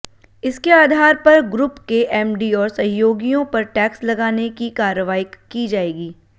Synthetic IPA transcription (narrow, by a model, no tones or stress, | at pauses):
ɪskeaːd̪ʱaːɾpɐɾɡɾʊpkeʔɛːmɖiɔːɾsɐ̃ɦjoːɡijõpɐɾʈɛːkslɐɡaːnekikaːɾəʋaːikid͡ʒaːeːɡiː